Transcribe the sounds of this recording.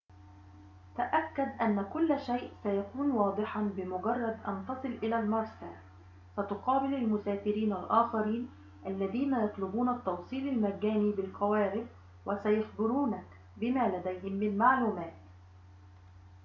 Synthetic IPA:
t̪aʔakːad̪ʔanːakʊlːʃajʔsajakuːnwɑːd̪ˤɨħɑbɪmʊɡɑrˤːɑd̪ʔɑ̰nt̪ɑsˤɨlʔɪlaːlmɑɾˤsaː | sat̪ʊqɑːbɪlalmʊsaːfɪɾiːnalʔaːxɑɾiːn | ʔalːaðiːnajɑt̪ˤlʊbuːnat̪ːɑwsˤiːlalmaɡːaːniːbɪlxawaːɾɪb | wasajɑxbɪɾuːna | bɪmaːlad̪ajɦɪmːɪnmaʕluːmaːt̪

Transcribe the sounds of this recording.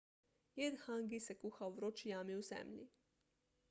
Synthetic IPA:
jed̪xaŋɡisɛkuxawʋɾot͡ʃijaːmiwzɛ̰mlʲi

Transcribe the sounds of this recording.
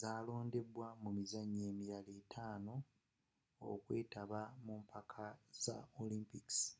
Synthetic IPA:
zaːlo̞ːnde̞bwamumizaɲːe̞ːmiɾaleːtʰaːno̞ | o̰kwe̞ːtaβamumpʰakʰaz̥a̰olimpiks

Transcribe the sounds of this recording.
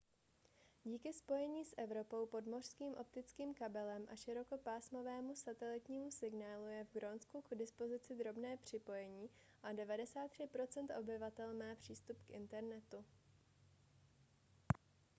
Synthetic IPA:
ɟiːkɪspo̞jɛɲiːsʔɛvɾo̞po̞wpo̞dmo̞r̝̥skiːmʔo̞p̚t̪ɪt͡skiːmkabɛlɛmʔaʃɪɾo̞ko̞paːsmo̞vɛːmusat̪ɛlɪt̪ɲiːmusɪɡnaːlujɛvɡɾo̞nskuɡdɪspo̞zɪt͡sɪd̪ɾo̞bnɛːpr̝̥ɪpo̞jɛɲiː | ʔadɛvadɛsaːt̪ːr̝̥ɪpɾo̞t͡sɛnt̪ʔo̞bɪvat̪ɛlmaːpr̝̥iːst̪upkʔɪ̰nt̪ɛɾnɛt̪u

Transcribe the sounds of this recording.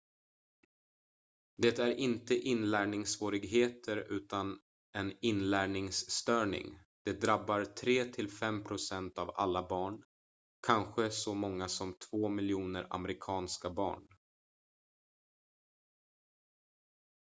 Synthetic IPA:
d̪ɛt̪æɾɪnt̪əʔɪnlæːɳɪŋsvoːɾɪɡɦeːt̪ʰəɾʉ̟ːt̪an | ʔɛnɪnlæːɳɪŋsːt̪œːɳɪ̰ŋ | d̪̥ɛd̪ɾabːaɾt̪ʰɾeːt̪ʰɪlfɛmpʰɾʊsɛnt̪ava̰lːabɑːɳ | kʰanɧəsɔmɔŋːasɔmt̪ʰv̥oːmɪljuːnəɾa̰mɛɾɪkʰɑːnskabɑ̰ːɳ

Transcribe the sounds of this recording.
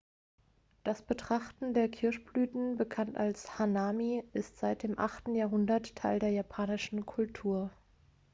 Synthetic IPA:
d̥asb̥ətʁ̥aχtn̩deːɐkʰɪɐɕb̥lyːtn̩bəkʰantalshanaːmiʔɪstz̥aɪt̚d̥eːmʔa̰χtn̩jaːɦʊndɐtʰːaɪldeːɐjapʰaːnɪʃn̩kʰʊltʰuːɐ

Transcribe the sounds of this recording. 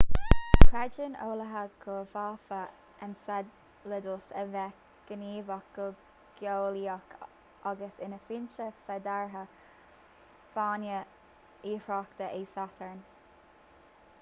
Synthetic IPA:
kʰɾɛd͡ʒəno̰ːləɦəɡ̥əfaːfə | ənsad | ləd̪osəvɛ | ɡ̥əniːvakə | ɡ̥joːliakʰ | aɡəsɪnəfint͡ʃəfɛd̪aɹɦə | fɑːnjə | iːfɹɑːkt̪əʔiːsat̪ʰəɹn

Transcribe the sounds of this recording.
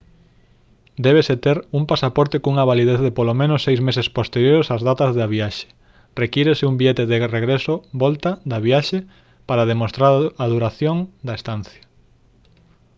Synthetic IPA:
d̪ɛβ̞eset̪eɾuŋpasapɔɾt̪ekuŋɐβaliðeθðepolomẽnosːejzmesespost̪eɾjoɾesazðat̪ɐzðaβiaʃe̥ | rekiɾesɪumbieɛt̪eðereɣɾesoβɔlt̪ad̪ɐβiaʃe | paɾaðemost̪ɾaɾaðuɾaθjoŋd̪ɐest̪anθjɐ̥

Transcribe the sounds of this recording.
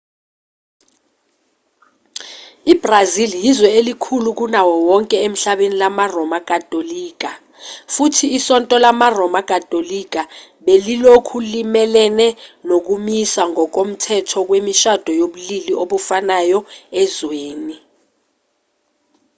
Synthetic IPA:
ib̥raziljizwɛelikʰuluk̬unawɔwɔŋkʼɛem̩ɬaɓenilamarɔmakʼatʼoliːk̬a | futʰiːsɔntʼɔlamarɔmakʼatʼolik̬ʼa | ɓelilokʰulimɛlɛnɛnok̬umisaŋɔk̬om̩tʰɛtʰɔk̬wemiʃad̥ʱɔjoɓuliliʔoɓufanajɔɛzweːni

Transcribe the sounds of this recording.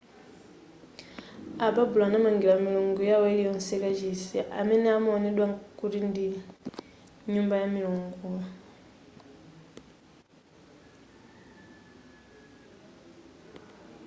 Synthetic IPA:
ababulanamaŋɡilamiluŋɡujaweilijonsekat͡ʃisiʔameneamonidwaŋkuɾindi | ɲuːmbajamiluːŋɡu

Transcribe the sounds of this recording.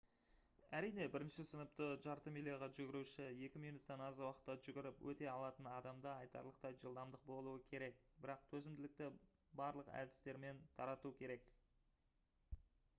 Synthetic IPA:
æɾijne̞bɪɾɪnʃɪsənəp̚t̪əʒɑɾt̪əmilijaʁɑʒʏɡʲɪɾuʃɪje̞kʲɪmijnut̪ːɑnɑzwɑqə̥t̪ːɑʒʏɡʲɪɾɪpwʔɵt̪e̞ɑlˠɑt̪ənɑd̪ɑmd̪ɑɑjt̪ɑ̰ɾlˠəq̚t̪ɑjʒəlˠd̪ɑmd̪əq̚bo̞lˠuəkʲʰe̞ɾe̞k̚bɪɾɑq̚t̪ʲʰɵzɪmd̪ɪlɪk̚t̪ɪ | bɑɾlˠəqæ̰d̪ɪ̥st̪e̞ɾme̞nt̪ʰɑɾɑt̪ukʲʰe̞ɾe̞k

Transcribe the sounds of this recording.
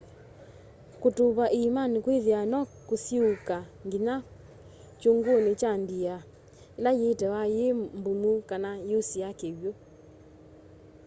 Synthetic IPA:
kotoβaʔeimanekweðeanɔkosiokaŋɡina | t͡ʃoŋɡonet͡ʃandia | elajetɛwajembumukanajosiakewjo

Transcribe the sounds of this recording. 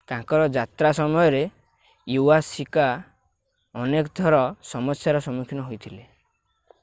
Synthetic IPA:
t̪ãkɔɾɔd͡ʒat̪ɾasɔmɔjɔɾe | juasika | ɔnekɔd̪ʱɔɾɔsɔmɔsjaɾɔsɔmukʰinɔɦojt̪ʰile

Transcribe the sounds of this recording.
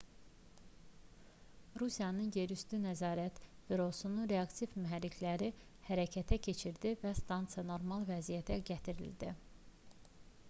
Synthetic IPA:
ɾusijɑnɯnje̞ɾyst̪ynæzɑːɾæt̪viɾo̞sunuɾe̞ɑkt̪ʰivmyɦæɾːicʰlæɾi | hæɾæcʰæt̪ʰæcʰe̞t͡ʃʰiɾd̪ivæst̪ɑnt̪sɨjɑno̞ɾmɑlˠvæzijæt̪ʰæɟæt̪ʰiɾḭld̪i

